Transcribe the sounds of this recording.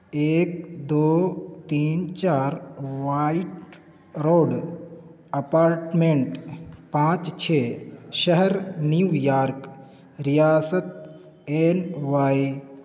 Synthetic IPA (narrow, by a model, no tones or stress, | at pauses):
eːk̚d̪oːt̪iːnt͡ʃaːɾʋaiʈ | ɾoːɖ | ɐpaːɾʈmẽɳʈpãːt͡ʃt͡ʃʰeʃəɦəɾniujaːɾk | ɾijaːsət̪̚ | eːnʋaːi